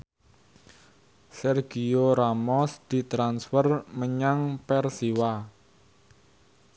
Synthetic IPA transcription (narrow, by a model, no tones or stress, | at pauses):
sɛrɡ̥ioɾamɔsd̪̥i̤t̪ɾansfərməɲaŋpɛrsiwa